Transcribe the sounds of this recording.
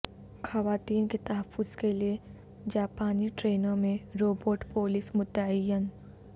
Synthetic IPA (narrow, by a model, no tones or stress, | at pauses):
xɐʋaːt̪iːnket̪ɐɦəfːʊz̥kelie | d͡ʒaːpaːniʈɾeːnõmẽɾoːboːʈpoːlɪsmʊt̪ːəəjːən